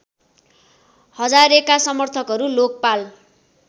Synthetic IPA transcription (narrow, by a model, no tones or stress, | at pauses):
hʌd͡zaɾekasʌmʌrt̪ʰʌkɦʌɾulok̚pal